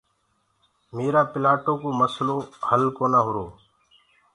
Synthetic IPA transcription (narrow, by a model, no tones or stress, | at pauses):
meːɾaːpɪlaːʈoːkoːməsloːhəlkoːnaːɦʊɾoː